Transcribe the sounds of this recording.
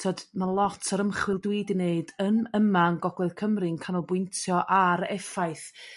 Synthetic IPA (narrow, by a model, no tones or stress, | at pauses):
tʰoːdmalˠɔtʰəɾəmχwɪlˠdwidɪneɨdənəmanɡɔɡwɛðkʰəmrɪnkʰanɔbwʊntʰjɔʔaɾɛfajθ